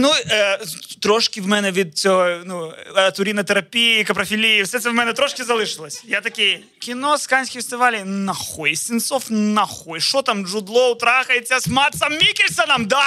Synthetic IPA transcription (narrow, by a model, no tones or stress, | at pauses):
nuət̪ɾoʂkʲɪvmɛnɛʋʲit̪̚sʲonuɐt̪ʊɾʲinɐt̪ɨɾɐpʲijkɐpɾɐfʲilʲijɪfsʲɛt̪sɛvmɛnɛt̪ɾoʂkʲɪzɐlˠɨʂɨlˠɐsʲjat̪ɐkʲij | kʲɪnoskanʲsʲkʲɪjfʲɛsʲt̪ɪʋalʲijnɐxojsʲɪnt̪sofnɐxɔjʂot̪amʐʊd̪lˠoʊt̪ɾaxɐjʲɐsmat̪sɐmːʲikʲɪlʲsɐnɐmd̪a